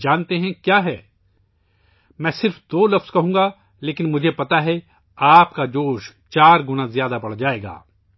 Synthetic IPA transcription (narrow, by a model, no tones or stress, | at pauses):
d͡ʒaːnt̪eɦɛ̃kjaːɦɛː | mɛ̃ːsɪɾfd̪oːlɐfskɐɦũːɡa | leːkɪnmʊd͡ʒʱepɐt̪aɦɛ | aːpkad͡ʒoːʃt͡ʃaːɾɡʊnazjaːd̪abɐɽd͡ʒaːeːɡa̰ː